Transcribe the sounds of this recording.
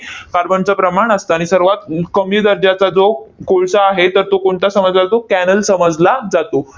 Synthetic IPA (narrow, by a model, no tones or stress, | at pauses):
kaɾbəɳt͡səpɾəmaɳəst̪aaɽ̃isəɾʋat̪̚kəmjud̪əɾd͡ʑat͡sad͡zokoɭsaːɦet̪əɾt̪okoɳt̪asəməd͡zlat̪okænəlsəməd͡zlad͡zat̪o